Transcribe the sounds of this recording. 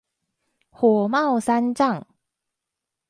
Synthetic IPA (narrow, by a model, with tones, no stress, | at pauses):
hwɔ˨˩˦ma˥˨wsa˦˥nʈ͡ʂa˥˨ŋ